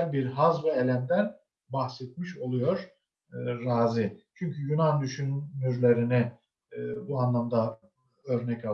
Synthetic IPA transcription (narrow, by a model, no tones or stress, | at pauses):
hæɾbiɾɦazvɛelʲænd̪æɾ | bahsɛt̪miʃo̞lˠujo̞ɾ̥ː | aːzit͡ʃʰyɲcʰyjunand̪yʃynːyɾlʲeɾini | buanlˠamd̪a | øɾnɛca